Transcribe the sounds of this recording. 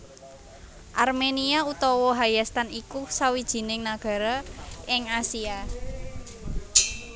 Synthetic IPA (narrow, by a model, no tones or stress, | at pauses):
ʔarmeniaut̪ɔwɔɦajast̪anikusawid̥ʒ̥i̤nɪŋnaɡ̥a̤ɾaʔɪŋasia